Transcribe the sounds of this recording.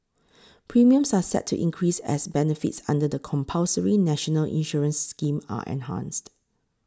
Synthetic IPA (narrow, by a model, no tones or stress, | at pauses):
pʰɹimiə̃msasɛ̰tʰːṵʔḭ̃nkʰɹisɛ̰sbɛnəfḭtsã̰ndədəkʰɔ̃mpʰalsəɹinɛʃɔnəlḭ̃nʃɔɹə̃nsːkĩma̰ʔɛ̰̃nɦã̰nst